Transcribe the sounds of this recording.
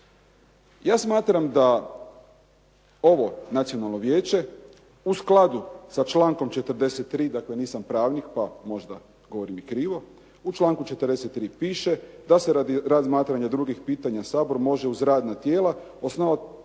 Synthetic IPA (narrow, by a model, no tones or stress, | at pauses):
jaːsmaːt̪ɾamd̪a | o̞ʋo̞nat̪sio̞nalˠno̞ʋjeːt͡ɕe̞ | usklˠad̪usat͡ʃlaːŋko̞mt͡ʃet̪ərd̪eset̪ːɾiːd̪akle̞niːsampɾaːʋnikpamo̞ʒd̪a | ɡoʋoɾimikɾiːʋo̞ | ut͡ʃlˠaːŋkut͡ʃet̪əɾd̪eset̪ːɾiːpiːʃe̞d̪asead̪ɾazmaːt̪ɾaɲad̪ɾuɡixpiːt̪aɲasaːbo̞ɾmo̞ʒe̞uzɾaːd̪nat̪je̞ːla | osnoʋat̪